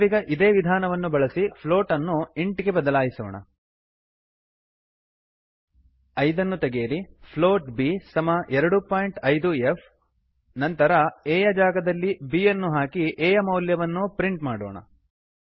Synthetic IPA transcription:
ʋiɡɐʔid̪e̞ːʋid̪ʱaːnɐʋɐnːubɐɭɐsipʰlo̞ːʈɐnːuiɳʈiɡe̞bɐd̪ɐlaːjisɔːɳɐ̰ | ɐjd̪ɐnːut̪eɡejːɐɾipʰloːʈbisɐmɐʔɛɾɐɽupaːjɳʈɐjd̪uef | nɐnt̪ɐɾɐeːjɐd͡ʒaːɡɐd̪ɐlːibiːjɐnːuɦaːkiʔeːjɐmɐwljɐʋɐnːupɾiɳʈmaːɽɔ̰ːɳɐ̰

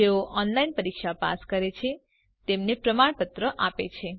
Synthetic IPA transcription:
d͡ʒeoʔɔnlainpəɾikʃapa̰skəɾet͡ʃʰe | t̪emnepɾəmaɳpət̪ɾəʔapḛt͡ʃʰe

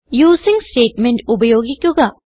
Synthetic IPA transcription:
juːziŋsʈeːʈmenʈubɐjoːɡikjoɡɐ

